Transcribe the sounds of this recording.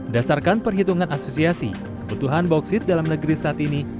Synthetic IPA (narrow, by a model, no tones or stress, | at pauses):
dasarkanpərɦit̪uŋanasosiasḭ | kəbut̪uɦanbɔk̚sɪt̪̚dalamnəɡəɾisaat̪ini